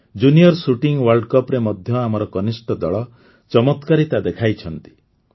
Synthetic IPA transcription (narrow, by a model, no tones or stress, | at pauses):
d͡ʒunijɔɾsuʈiŋwaɾɖkɔpɾemɔd̪ʱjɔamɔɾɔkɔnisʈɔd̪ɔɭɔ | t͡ʃɔmɔt̪kaɾit̪ad̪ekʰajt͡ʃʰɔnt̪i̥